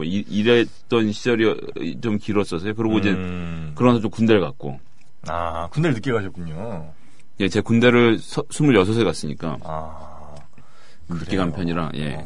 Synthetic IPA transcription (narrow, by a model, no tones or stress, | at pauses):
oiiɾe | t͈ʌnɕʰid͡ʑʌɾi | t͡ɕomkiɾʌs͈ʌsʰʌjokɯɾʌɡoid͡ʑe | kɯɾʌnaʌt͡ɕomkunde̞ɭkak̚k͈o̰ | akundeɭnɯk͈eɡaɕʰʌt̚k͈uɲo | je̞t͡ɕekunde̞ɾɯɭsʰʌsʰumuɭjʌsʰʌs̬ʰekas͈ɯɲik͈a̰a | ɯkk͈eɡampʰjʌɲiɾa̰je̞̰